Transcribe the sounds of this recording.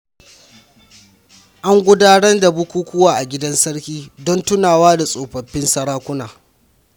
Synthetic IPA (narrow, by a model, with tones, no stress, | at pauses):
ʔa˦ŋɡʷʊ˦daː˦ɽɐ˦nda˨bʊ˦kʷuː˦kʷʊ˦waː˨ʔa˨ɡʲɪ˦dɐ˦nsɐ˦ɽkʲiː˦dɔ˦ntʊ˦naː˨waː˦da˨sʼoː˨ɸɐ˨ɸːɪ˦nsɐ˨ɽaː˦kʷʊ˦naː˨